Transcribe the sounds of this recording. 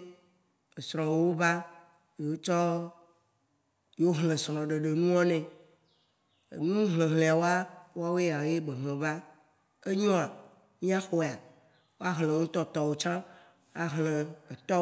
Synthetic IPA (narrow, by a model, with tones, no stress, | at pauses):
e˨sɾɔ̃˨˦wo˦ba˦ | je˨o˦t͡ʃɔ˦ | jo˦ɦlẽ˨sɾɔ̃˨ɖe˨ɖe˨nũ˦ɔ˦nɛ̃˨ | nũ˦ɦlẽ˨ɦlẽ˨a˨wo˦a˦wo˦a˦wo˦e˦a˨o˨je˦ɡ͡be˨ɦlẽ˨va˦ | e˦ɲɔ̃˦a˨ | mĩ˦a˦xɔ˦e˨a˨ | wo˦a˦ɦlẽ˨ŋũ˦t̪ɔ˦t̪ɔ˨wo˨t͡ʃã˦ | a˨ɦlẽ˨e˨t̪ɔ˦